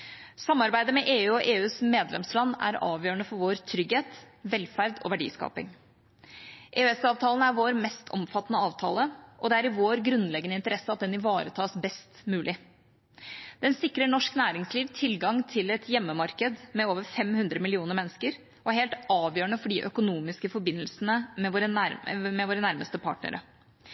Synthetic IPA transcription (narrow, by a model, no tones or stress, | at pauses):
sɑmːɑɾbæɪd̪əmɛʔeːʉːɔʔeːʉːsmeːd̪lɛ̰mslɑnːæ̰ɾɑ̰ːʋjøːɾəɳəfɔɾʋoːɾt̪ʰɾʏɡheːt̪ | ʋɛlfæɾd̪ɔ̰ʋæɖḭːskɑ̰ːpɪ̰ŋ | ʔeːøɛsɑːʋt̪ʰɑːln̩æɾʋoːɾmɛst̪ʰɔ̰mfɑt̪ːnəɑːʋt̪ʰɑ̰ːləʔɔd̪ɛæɾɪʋoːɾɡɾʉnːlɛɡənəɪnt̪əɾɛsːəɑt̪̚d̪ɛnɪʋɑːɾət̪ʰɑːsbɛst̪mʉːlʔɪ | d̪̥ɛnsɪkɾəɳɔʂknæːɾɪŋsliːʋt̪ʰɪlɡɑŋt̪ʰɪlɛt̪ʰjɛmːəmɑɾkəd̪mɛoːʋəɾfɛmhʉnd̪ɾəmɪlɪuːnəɾmɛnːəskəɾ | ɔæɾheːlt̪ɑːʋjøːɾəɳəfɔɖiʔœkʊnuːmɪskəfɔɾbɪnːəlsənəmɛʋoːɾəmɛʋoːɾənæɾməst̪əpʰɑ̰ːʈnə̰ɾə̰